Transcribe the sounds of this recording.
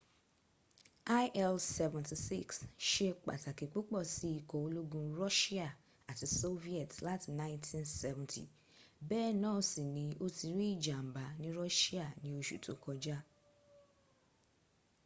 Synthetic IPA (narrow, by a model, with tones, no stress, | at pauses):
a˦ʔɛ˦˧lsɛ˧vɛ̃˨ti˨sḭ˦˨ksʃe˧k͡pa̰˨ta˨ke˨k͡pu˦k͡pɔ˦˨si˦i˧kɔ˨o˧lo˦ɡũ˧ɾɔ˦ʃi˦a˦˨ | a˨ti˨˧so˦vi˦ɛ˨tla˦ti˧nã˦ĩ˦ntʰĩ˦nsɛ˦vɛ̃˨ntḭ˨ | bɛ˦˨nã˦˨si˨nĩ˧o˦ti˧ɾi˦i˦˨d͡ʒa˨m̩˨ba˨˦nĩ˦ɾɔ˦ʃi˦a˦˨nĩ˦o˧ʃṵ˨tʰo˨kɔ˧d͡ʒa˦